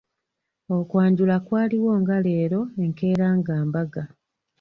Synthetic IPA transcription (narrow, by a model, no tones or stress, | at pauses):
o̞kwaːɲɟulakwaːliwo̞ːŋɡale̞ːɾo̞e̞ŋke̞ːɾaːŋɡaːmbaɡa